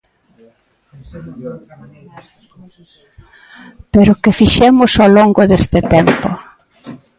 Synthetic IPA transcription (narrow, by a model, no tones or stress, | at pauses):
peɾʊkɪfiʃɛmʊsoloŋɡʊðest̪ɪt̪empo̰